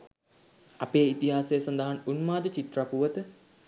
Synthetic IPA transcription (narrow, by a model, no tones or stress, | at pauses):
ɐpeːit̪iɦaːsejəsɐnd̪əɦanunmaːd̪ət͡ʃit̪rapuʋət̪ə